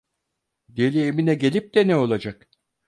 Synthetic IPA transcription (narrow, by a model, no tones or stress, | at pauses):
d̪elʲieminɛɟe̞lʲip̚d̪ɛnɛo̞lˠad͡ʒak